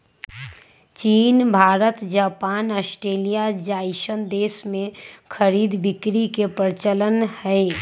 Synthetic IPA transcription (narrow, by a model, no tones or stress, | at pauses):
t͡ʃiːnbʱaːɾət̪d͡ʒaːpaːnəsʈɾeːlijad͡ʒaːɪʃənd̪eːsmẽkʰəɾiːd̪bɪkɾikepɾɪt͡ʃələnhɛe